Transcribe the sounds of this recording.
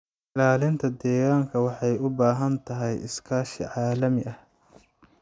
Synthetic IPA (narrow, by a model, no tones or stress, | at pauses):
ɪlaːlɪnt̪ʰɐd̪ɛːɣaːŋkʰɐwɑħɑjʊbaːɦɐnt̪ʰɐɦɛjɪ̰skʰaːʃḭʕɑːlɐmɪʔɐh